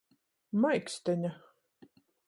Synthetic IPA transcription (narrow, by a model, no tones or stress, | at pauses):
majkst̪ɛɲʲa